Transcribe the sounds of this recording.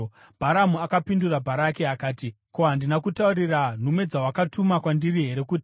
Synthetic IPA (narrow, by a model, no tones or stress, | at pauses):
bʱaɾamuakapindurabʱaɾake̞akaːti | koɦandinakutauɾiran̤umwe̞d͡zawakatʰumakwandiriɦe̞ɾe̞kuːti̥